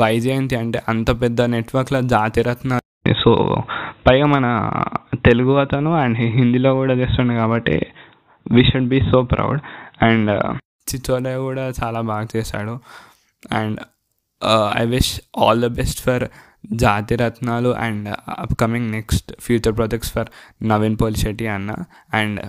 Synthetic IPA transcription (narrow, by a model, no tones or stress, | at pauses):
ʋɐjd͡ʒeːnt̪iɐɳʈeːʔɐnt̪ɐpɛd̪ːɐneʈʋɐɾklɐd͡ʒaːt̪iɾɐt̪na̰ː | so̰ːpɐjɡaːmɐnɐt̪eluɡuʋɐt̪ɐnuɛɳɖɦind̪iloːkuːɽaːt͡ʃeːst̪uɳɖikaːbɐʈːḛ | ʋiːʃuɖbiːsoːpɾa̰wɖɛɳɖ | t͡ʃit͡ʃoːɖɐjkuːɽaːt͡ʃaːlaːbaːɡɐt͡ʃeːsa̰ːɽu | ɛ̃ɳɖ | ɐ̰jʋiʃɔːld̪ɐbesʈfʰɐɾ | d͡ʒaːt̪iɾɐt̪naːluʔɛ̰̃ɳɖɐ̰pkɐmiŋɡneksʈfʰjuːt͡ʃɐɾpɾɔːd͡ʒek̚ʈsfɐɾnɐʋinpoliʃiʈiɐnːa̰ | ɛ̃ɳɖ